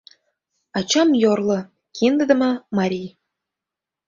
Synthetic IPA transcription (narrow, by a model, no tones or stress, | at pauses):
ɑt͡ɕɑmjorlˠɤ̆ | kʰind̪ə̆d̪ə̆mɤ̆mɑɾʲij